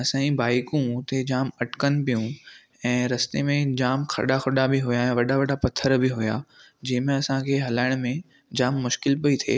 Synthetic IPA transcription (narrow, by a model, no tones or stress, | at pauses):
ɐsãibaːɪkũt̪ed͡ʑaːmɐʈkənɪ̆pijũ | ɛ̃ːɾɐst̪emẽd͡ʑaːmkʰɐ̰ɗaxɐɗabɪɦʊjaɛ̃ːʋɐɗaʋɐɗapɐt̪ʰːəɾbɪɦʊja̰ | d͡ʑɐ̃ɦɪ̃mẽɐsãkʰeːɦɐlaːɪɽ̃mẽ | d͡ʑaːmːʊʃkɪlpɐit̪ʰḛː